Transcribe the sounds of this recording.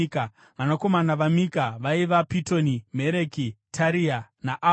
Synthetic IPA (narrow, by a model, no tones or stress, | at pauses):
ka | ʋanako̞manaʋamikaʋaiʋapito̞nimeɾekitʰaɾianaʔa